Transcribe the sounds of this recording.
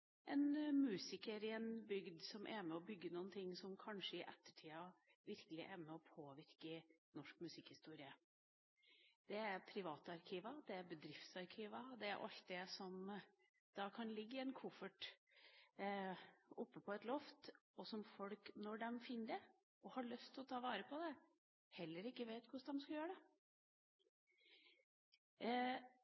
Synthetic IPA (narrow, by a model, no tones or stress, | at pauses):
ʔɛnmʉːsɪkəɾɪɛnbʏɡd̪sɔmʔæmɛɔbʏɡːənuːənt̪ʰɪŋːsɔmkʰɑnʂəɪʔɛt̪ːə̥ʈʰiːɑʋɪɾkəlɪʔɛɾmɛɔpʰoːʋɪɾkɪnɔʂkmʉsɪkhɪst̪uːɾɪə | d̪̥ɛæɾpʰɾɪʋɑːt̪əɑɾkʰiːʋəd̪ɛæɾbəd̪ɾɪft̪sɑɾkʰiːʋəd̪ɛæ̰ɾʔɑ̰lt̪̚d̪ɛsɔm | d̪̥ɑkʰɑnlɪɡːəɛnkʰʊfəʈ | ɔpːəpʰɔɛt̪lɔft̪ɔsɔmfɔlknɔɖɛmfɪnːəd̪ɛ | ɔhɑɭœst̪ʰɪlɔt̪ʰɑːʋɑːɾəpʰɔd̪ɛ | hɛlːəɾɪkːəʋeɪt̪kʰʊʂd̪ɛmskɑljøːɾəɖɛ